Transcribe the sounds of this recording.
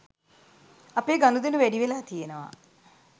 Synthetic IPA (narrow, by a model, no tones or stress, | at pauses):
apeːɡanud̪inuʋæɖiʋelaːt̪ijenəʋa̰